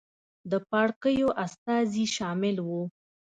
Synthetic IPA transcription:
d̪əpɑɽkəjoʔast̪ɑziʃɑmɪlwu

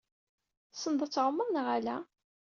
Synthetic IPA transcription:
sənd̪ˤət͡sːʕəmːəðˤnəʁælæ

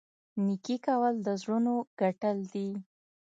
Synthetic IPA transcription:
nikikawəld̪əzɽunoɡ̥aʈəld̪i

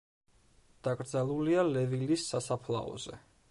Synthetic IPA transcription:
d̪̥aɡʼɾd̪zalˠulialɛvilisːasapʰla̰ɔ̰zɛ

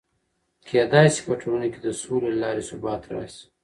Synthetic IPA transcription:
kʰejad̪ɑjsi̥pəʈʰoɾuneked̪əsolelɑːɾesʊbɑːt̪ɾɑ̰s

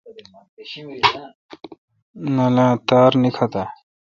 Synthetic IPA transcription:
nɐlãːt̪aːɾnikʰat̪a

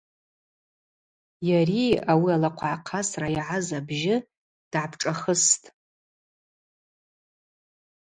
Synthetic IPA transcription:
jariawialaqʷʰaʕaqʰasrajʕazabʒɪ | d̥ʕapʰʈ͡ʂʼaχəstʼ

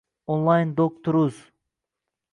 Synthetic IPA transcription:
onlˠɑjnd̪ok̚t̪ʰuɾuz

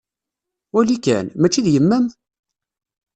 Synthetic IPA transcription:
wælikæ̰nmæt͡ʃːiðjəmːæm

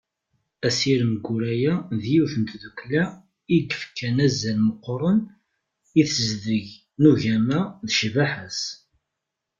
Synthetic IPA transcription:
æsiɾəmɡuɾæjæðjuθənt̪ðəkʷːlæ | iɡəfkːænæzːælməqːɾˤən | iθzðəʝ | nuʝæmæðʃvaħæs

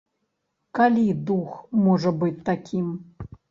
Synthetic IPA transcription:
kalʲid̪uxmɔʐɐbɨt͡sʲt̪ːakʲʰim

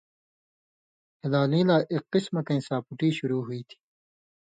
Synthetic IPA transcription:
hɪlaːlĩːlaːʔiqːismɐkɐ̃ĩsaːpuʈiːɕuɾuːɦuiːt̪ʰi̥

